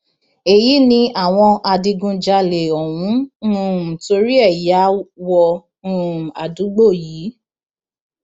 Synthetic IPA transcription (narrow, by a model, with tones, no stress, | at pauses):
e˨ji˨˦nĩ˧ʔa˦˨w̃ɔ̃˧a˧di˧ɡũ˧d͡ʒa˧le˨ɔ˨wũ˨˦˨ | to˧ɾi˦ɛ˦˨ja˨˦wɔ̃˧˦˨ | a̰˨du˨˦ɡ͡bo˦˨jiː˨˦